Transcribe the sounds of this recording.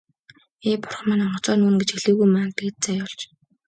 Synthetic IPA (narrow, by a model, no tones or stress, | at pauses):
eːpʊ̥rχmæ̆ːnɔɴɢʊt͡sɔːnuːnɡet͡ɕxeɮɘ̆ɣujmaːnt̪ɡeːt̪̚t͡sæjʊɮt͡ɕ